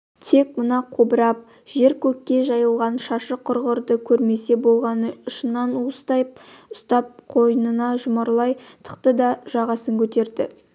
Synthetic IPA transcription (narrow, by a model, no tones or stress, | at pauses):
t̪ʰe̞k̚mənɑqʰobəɾɑp̚ | ʒ̥e̞ɾkʲʰɵkʲːe̞ʒɑjəlˠʁɑnʃɑʃəqʰʊɾʁəɾd̪əkʲʰɵɾme̞se̞bo̞lˠʁɑnəʊʃənːɑnust̪ɑjp̚ʊst̪ɑp̚qʰo̞jənənɑʒʊmɑɾlˠɑjt̪ʰə̥qt̪əd̪ɑʒ̥ɑʁɑsəŋkʲʰɵt̪e̞ɾd̪ɪ̰